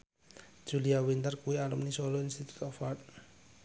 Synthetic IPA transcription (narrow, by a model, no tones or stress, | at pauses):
d͡ʒ̥uliawint̪ərkuialumnisɔlɔinst̪it̪u̥t̪ɔfat̪̚